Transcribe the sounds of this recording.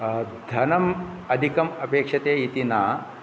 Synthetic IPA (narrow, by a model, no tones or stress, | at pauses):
d̪ʱɐnɐm | ɐd̪ʱikɐmɐpeːkʂɐt̪eːit̪inaː